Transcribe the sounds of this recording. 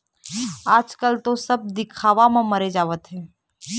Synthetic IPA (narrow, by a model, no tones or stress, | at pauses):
aːd͡ʒkəlt̪osɐb̚d̪ɪkʰaːʋamãmɐɾed͡ʒaːʋət̪ɦɛː